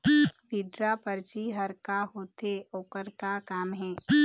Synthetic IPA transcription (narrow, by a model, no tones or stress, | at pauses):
ʋiːɖɾapəɾt͡ʃiɦɐɾkaɦoːt̪eoːkəɾkakaːmɦɛ̃ː